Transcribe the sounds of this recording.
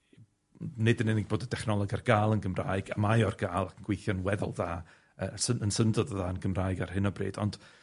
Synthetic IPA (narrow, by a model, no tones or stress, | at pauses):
nɪdənɪnɪɡ̚boːdədʰɛχnɔlˠɔɡarɡ̥aːlˠənɡəmra̰ːɨɡa̰majɔrɡaːlˠakʰənɡwejθjɔnwɛðɔ̰lˠðaː | əsəənsəndɔðəðaənɡəmraːɨɡar̥ɦɨnɔbrḭːd̥ɔ̰nd̥